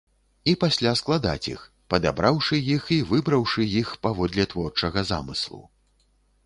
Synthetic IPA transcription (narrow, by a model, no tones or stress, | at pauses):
ipasʲlʲasklˠad̪a̰t͡sʲḭx | pɐd̪a̰bɾawʂɨjixivɨbɾɐwʂɨjixpavɔd̪lʲɛt̪vɔrt͡ʂɐɣɐza̰mɨ̰slˠṵ